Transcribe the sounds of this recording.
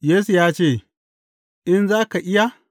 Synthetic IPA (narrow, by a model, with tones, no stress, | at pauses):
jeː˦su˨jaː˦t͡ʃeː˦˨ | ʔɪ˦nzaː˦ka˨ʔɪ˦ja˦